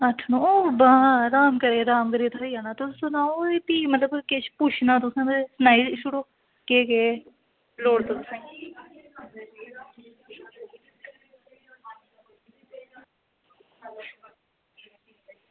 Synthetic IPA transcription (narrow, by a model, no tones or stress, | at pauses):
əʈʰnõoːbãːɾaːmkəɾeːɾaːmkəɾeːt̪ʰaiːaːnaːt̪ʊsʊnãːoːip̪iːmət̪ləbkeʃput͡ʃʰnaːt̪ʊsẽːesnaːilɪʃuɽoː | keːkeː | loːɽt̪ʊt̪sẽ